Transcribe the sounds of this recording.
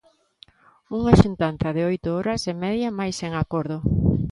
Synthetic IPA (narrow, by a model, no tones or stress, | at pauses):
uŋaʃunt̪an̟θɐðɪojt̪ʊɔɾɐsɪmɛðjamajseŋakoɾðʊ